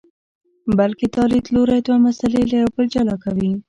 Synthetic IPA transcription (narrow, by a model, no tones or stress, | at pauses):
balket̪ɑlid̪loɾajd̪wamasalelajawbəld͡ʒalɑkawi